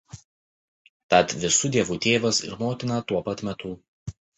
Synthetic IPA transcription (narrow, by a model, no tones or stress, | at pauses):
t̪ɐt̪ʋʲɪsuːd̪ʲiɛʋuːt̪ʲeːʋɐsɪ̰ɾmoːt̪ʲɪnɐt̪uɔpɐt̪mʲɛt̪uː